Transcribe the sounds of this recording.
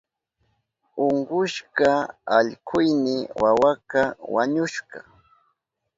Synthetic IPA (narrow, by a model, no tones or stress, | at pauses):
oɴɢʊʃkaaʎkʰʊjnɪwawakawaɲʊʃɢɑ